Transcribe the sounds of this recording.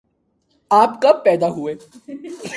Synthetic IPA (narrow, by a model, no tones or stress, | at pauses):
aːpkɐb̚pɛːd̪aɦueː